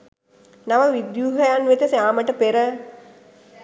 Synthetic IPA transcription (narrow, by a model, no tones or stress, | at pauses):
naʋəʋid̪juːɦəjanʋet̪əsjaːməʈəpeɾə